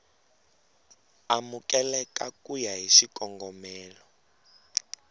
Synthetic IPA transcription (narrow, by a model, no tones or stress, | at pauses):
amukʼɛlɛkʼakʼujaɦiʃikʼɔŋɡɔmɛːlɔ